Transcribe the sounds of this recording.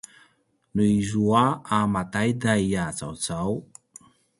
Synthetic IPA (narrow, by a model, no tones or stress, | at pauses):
nuizuaamat̪ajd̪aiat͡sa̰wt͡saw